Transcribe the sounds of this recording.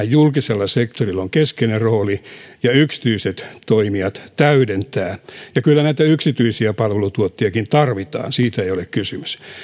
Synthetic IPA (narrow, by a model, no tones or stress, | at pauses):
jjulkiselːɑsekt̪orilːoŋkeskeneroːlijɑyksi̥t̪yiset̪t̪oimiɑt̪t̪æydent̪æːjɑkylːænæit̪æyksit̪yisiæpɑlʋelut̪uot̪ːiɑkint̪ɑrʋit̪ɑ̰ːnsiːt̪æeijolekkysymys